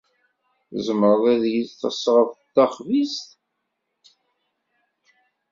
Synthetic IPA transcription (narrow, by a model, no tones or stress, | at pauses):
zəməɾðæðjilθəsʁəft̪ːæχvist̪